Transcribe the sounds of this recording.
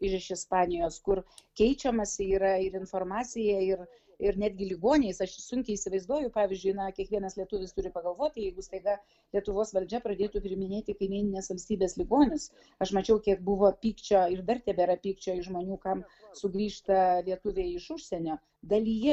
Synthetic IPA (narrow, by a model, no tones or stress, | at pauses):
ɪʃɪʃɪspɑːnʲɪjoːskʊrkʲɛɪt͡ʃʲɛmɐsʲɪiːɾɐɪɾɪnfoːrmɑːt͡s̪ʲɪjɛɪr | ɪɾnʲæːd̪ʲɡʲɪlʲɪɡoːnʲejsɐʃsʊŋʲkʲɛɪiːsʲɪʋɐɪzd̪uɔjʊpɑːʋʲɪzʲd͡ʒʲʊɪnɐkʲiɛkʋʲiɛnɐslʲiɛt̪ʊʋʲɪst̪ʊɾʲɪpɐɡɐlˠʋoːt̪̚ʲt̪ɪjɛɪɡʊst̪ɐɪɡɐ | lʲiɛt̪ʊʋoːsʋɐlʲd͡ʒʲɛpɾɐd̪ʲeːt̪uːpʲɾʲɪmʲɪnʲeːt̪ʲɪkɐɪmʲiːnʲɪnʲeːsʋɐlʲsʲt̪ʲiːbʲeːslʲɪɡoːnʲʊs | ɐʃmɐt͡ʃʲɛʊkʲiɛk̚bʊʋoːpʲiːkt͡ʃʲoːɪrd̪ɐrt̪ʲɛbʲɛɾɐpʲiːkt͡ʃʲoːɪʒmoːnʲuːkɐmsʊɡɾʲiːʃt̪ɐlʲiɛt̪ʊʋʲeːɪʃʊʃʲsʲeːnʲoː | d̪ɐlʲijɛ